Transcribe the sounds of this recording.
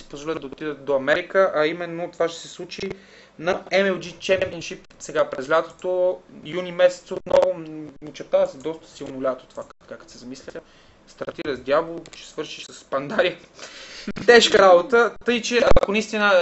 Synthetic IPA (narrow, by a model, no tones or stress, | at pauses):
si̥pozvolʲid̪d̪ɐot̪id̪ət̪̚d̪oɐmɛɾikəʔɐimɛnːot̪ovaʃt̪ɛ̥sɛslˠut͡ʃi | nɐɛmɛlˠd͡ʒit͡ʃɛvɛɾinʃip | sɛɡapɾɛzlʲat̪o̥t̪ojunʲimɛsɛ̥t̪sot̪nɔvʊot͡ʃɛɾt̪avɐsɛd̪ɔst̪ə̥silˠnolʲat̪o̥t̪o̥vak̪kakə̥t̪sɛzɐmislʲəə | st̪ɐɾt̪iɾəzd̪ʲjavlˠt͡ʃɛ̥svɤɾʃiʃsəsːpɐnd̪aɾi | t̪ɛʃkəɾabot̪ət̪ɤjt͡ʃɛɐɐkonist̪inə